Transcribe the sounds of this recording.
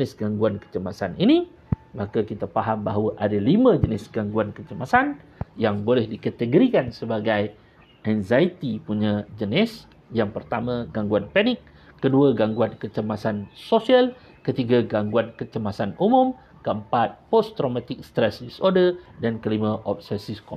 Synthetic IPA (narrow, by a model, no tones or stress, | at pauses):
ənɪsɡaŋɡuankə̥t͡ʃəmasanini | makakit̪apaɦambaɦwaʔadalimãd͡ʒənɪsɡaŋɡuankət͡ʃəmasanjaŋbolɛhdikat̪əɡoɾikansəbaɡaj | ʔɛnzajt̪ipuɲãd͡ʒənɪs | jaŋpərt̪amãɡaŋɡuanpanɪkː | əduaɡaŋɡuankət͡ʃəmasansosial | kət̪iɡaɡaŋɡuankət͡ʃəmasanumum | kəəmpat̪̚pɔst̪ɾomat̪ɪk̚st̪ɾɛsdisodədankəlimãʔɔp̚sɛsiskɔ